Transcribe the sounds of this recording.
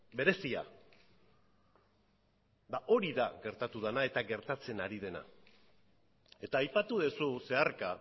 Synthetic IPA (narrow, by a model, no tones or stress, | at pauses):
be̞ɾe̞sia̰ | baʔo̞ɾiðaɣe̞ɾt̪at̪uðanae̞t̪aɣe̞ɾt̪at͡se̞naɾið̞e̞na̰ | e̞t̪aːjpat̪uð̞esuse̞aɾka